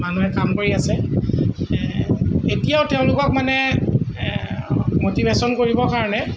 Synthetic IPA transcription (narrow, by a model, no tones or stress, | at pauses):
manuɦɛkamkoɹiasɛ | etijaʊtɛʊ̃lʊkɔk̚manɛ | motibʱesɔnkoɹibɔkaɹɔnɛ